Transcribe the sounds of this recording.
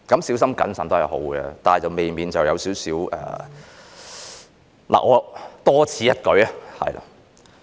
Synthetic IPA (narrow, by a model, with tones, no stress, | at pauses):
kɐ˨˥msiː˨˥wsɐ˥mkɐ̰˨˥nsɐː˨nt̪o˥hɐ˨jho̰˨˥wɡɛ̰˧t̪aː˨t͡sɐ˨wme˨jmiː˨˩nt͡sɐ˨wjɐ˨˧wsiː˨˥wsiː˨˥wʔɛ̰ː˨ | lʔa̰ː˨ʔŋɔː˨˧t̪ɔː˥t͡sʰiː˨˧jɐ˥t̚kɵ˨˥ɥɐ˦˥hɐ̰˨jla̰˨